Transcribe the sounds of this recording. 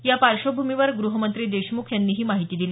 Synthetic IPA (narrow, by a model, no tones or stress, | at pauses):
japaɾɕobʱumiʋəɾɡɾuɦəmənt̪ɾiːd̪eɕmukʰjanːiːɦiːmaɦit̪iːd̪ili